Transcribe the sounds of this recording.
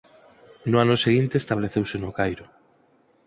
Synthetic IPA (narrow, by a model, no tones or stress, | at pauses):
nʊanʊseɣint̪eːst̪aβleθewsenokajɾʊ